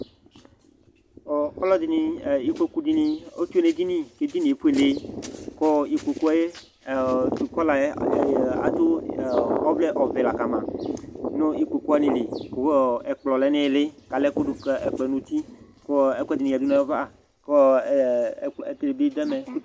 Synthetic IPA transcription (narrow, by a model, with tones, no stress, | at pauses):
o˨kɔ˦lɔ˦d̪i˨˦nĩ˨i˦ke˦ku˦d̪i˦nĩ˧o˦t͡ʃu˦e˦ne˨d̪i˦nĩ˦ke˦d̪i˦nĩ˨e˨pu˦e˨le˨kɔ˦i˨ke˨ku˦a˨je˦˨ | d̪u˨kɔ˦la˨˦˨a̰˨t̪o˦˨ | ɔ˦ble˦ʔɔ˨ve˨la˨ka˨mã˨nõ˦i˦k͡pe˨ku˦a˦nĩ˨li˨ko˦e˨k͡plɔ˨lɛ˨˦nẽ˦˨le˦ka˨le˦ko˦ɖe˨k͡pɛ˨nũ˨t̪i˦ | ko˦e˦ku˦d̪i˨nĩ˨a˨du˦nã˨˦e˦va˦˨ | kɔ˦˨ | e˨t̪e˨le˨bi˦d̪ɛ˦me˨˦